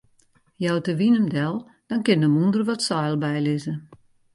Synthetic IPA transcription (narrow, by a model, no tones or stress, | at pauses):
jɔwtəʋinəmdɛlˠ | d̥ɔnkɪnəmundərʋɔtsɔjlˠbɛjlɪzə